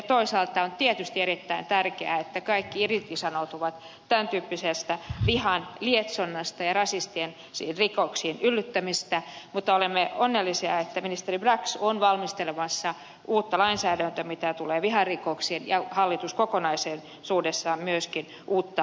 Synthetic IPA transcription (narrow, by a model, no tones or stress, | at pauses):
jɑt̪oisɑːlt̪ɑont̪iet̪yst̪ieɾit̪ːæint̪ærkeæet̪ːækɑikːiirit̪isɑnot̪uʋɑt̪ | t̪ænt̪yːpːisest̪æʋihɑnliet̪sonːɑst̪ɑjɑrɑsist̪ien | sirikoksiːnylːyt̪ːæmist̪æmut̪ːɑolemːeonːelːisiɑ̰et̪ːæminist̪eribrɑksonʋɑlmist̪elemɑsːɑ | ʔuːt̪ːɑlɑinsæːdænt̪ømit̪æt̪uleːʋiɦɑrikoksiːnjɑhɑlːit̪uskokonɑiseːn | suːdesːɑːmmyøskin | ʔuːt̪ːɑ